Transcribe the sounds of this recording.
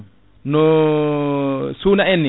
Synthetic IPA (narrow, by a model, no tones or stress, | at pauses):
no | sunaɛnːĩ